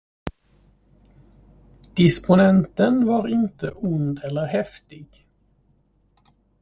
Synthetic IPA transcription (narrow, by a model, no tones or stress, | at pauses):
d̪̥ɪspʊnɛnt̪ənvɑɾɪnt̪əʔʊnd̪ɛlːəɾɦɛft̪ɪɡ